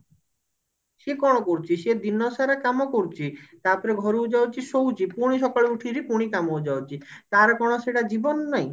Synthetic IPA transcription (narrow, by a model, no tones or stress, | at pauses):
ʃekɔɽ̃okoɾt͡ɕʰiʃed̪inːɔsaɾakamokoɾt͡ɕʰit̪aɾpɔɾeɡʱɔɾoud͡ʑaot͡ɕʰiʃowt͡ɕipuɽ̃iʃɔkoɭeuʈʰiɾipuɽ̃ikamowd͡ʑaoɾt͡ɕʰit̪aɾkɔɽ̃oʃeʈad͡ʑibonːaj